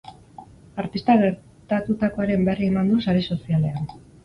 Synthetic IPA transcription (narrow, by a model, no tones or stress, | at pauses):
aɾt̪ist̪aɣe̞ɾ | t̪at̪ut̪ako̞aɾe̞mberiemand̪usaɾiso̞siale̞an